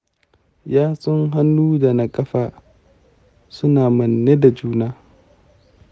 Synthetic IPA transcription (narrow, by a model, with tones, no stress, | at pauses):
jaː˦sʼɔ˦ŋɦa˦nːuː˦da˨na˦kʼɐ˦ɸaː˨ | sʊ˦naː˨mɐ˨nːe˦da˨d͡ʒuː˦naː˦